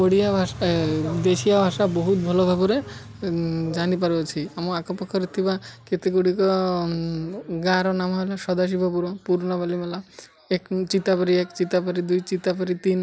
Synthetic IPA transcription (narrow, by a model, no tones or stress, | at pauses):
oɽijabʱaʃad̪eʃijabʱaʃabɔɦut̪̚bʱɔlɔbʱabɔɾe | d͡ʒanipaɾbɔt͡ʃʰiamɔakɔpɔkʰːɔɾet̪ʰibaket̪ekuɽikɔ | ɡaɾɔnamaɦelaʃɔd̪aʃ̬ibʱɔpuɾɔpuɾnɔbalimela | ekt͡ʃit̪apaɾiekt͡ʃit̪apaɾid̪ujt͡ʃit̪apaɾit̪in